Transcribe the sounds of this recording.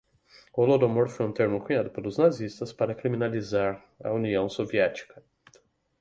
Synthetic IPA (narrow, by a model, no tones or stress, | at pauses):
olod̪omoɾfojũt̪eɾmʊkuɲad̪ʊpelʊznazist̪ɐspaɾɐkɾiminalizaɾ | ɐ̰uniɐ̃w̃soviɛt͡ʃi̥kɐ̥